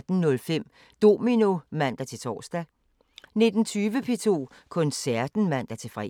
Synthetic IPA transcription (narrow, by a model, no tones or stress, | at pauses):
d̥n̩nɔ̽lfem̰ | d̥o̝mino̝mæn̰d̥æt͡sʰe̝t͡sʰɒ̰ːsd̥æ | ne̝d̥n̩t͡sʰyːʋəpʰe̝t͡sʰo̝̰ː | kʰɔ̽nsæɐd̥n̩mæn̰d̥æt͡sʰe̝fʁɛ